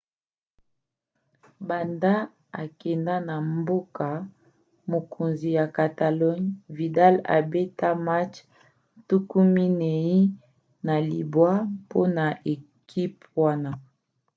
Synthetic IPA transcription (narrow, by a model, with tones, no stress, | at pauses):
ba˨nda˦ | a˨kɛ˨nda˦na˨mbo˦ka˨ | mo˨kʰo˨nzi˨ja˨ka˨ta˨lɔ˦ɲvi˨da˦la̰˨be˦ta˦ma˦t͡ʃ | tu˦ku˦mi˦ne˨ji˦ | na˨li˨bwa˦po˦na˨ʔe˨ | kʰi˦p | wa˦na˨